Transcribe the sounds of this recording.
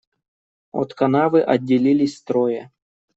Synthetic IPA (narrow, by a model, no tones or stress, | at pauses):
o̰t̪kɐnavɨʔɐdʲːɪlʲilʲɪsʲst̪ɾojə